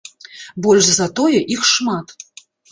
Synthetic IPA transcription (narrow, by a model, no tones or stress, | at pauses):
bɔlʲʒzɐt̪ɔjɛʔixʂmat̪